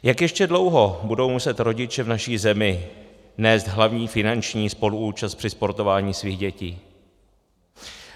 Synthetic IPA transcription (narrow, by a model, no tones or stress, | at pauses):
jakjɛʃcɛdlo̞wɦo̞budo̞wmusɛt̪ɾo̞ɟɪt͡ʃɛvnaʃiːzɛmɪ | nɛːst̪ɦlavɲiːfɪnant͡ʃɲiːspo̞luuːt͡ʃast̪pr̥ɪspo̞ɾt̪o̞vaːɲiːsviːɣɟɛciː